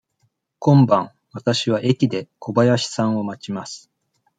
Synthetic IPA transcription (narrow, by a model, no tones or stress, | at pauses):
kõ̞mbãɰ̃ | βat̪aɕiβ̞aʔe̞kʲid̪e̞ko̞bajaɕi̥sãɰ̃o̞mat͡ɕimasɨ̥